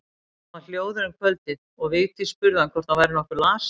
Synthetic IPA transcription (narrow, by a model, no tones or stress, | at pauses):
aljoːwðʏɾʏmkʰvœlt̪ɪð | ɔɣveːjt̪ɪspʏɾðʏankʰvɔɾ̥t̪aðvajɾɪnɔkʏɾlaːs